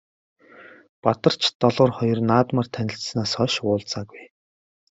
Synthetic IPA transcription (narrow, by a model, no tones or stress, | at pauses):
pat̪ə̆r̥t͡ɕʰt̪ɔɮʊːrχɔjɞ̆rnaːt̪mar̥t̪ʰænʲɪ̆ɬt̪snaːsœʃʊːɮt͡saːɡuj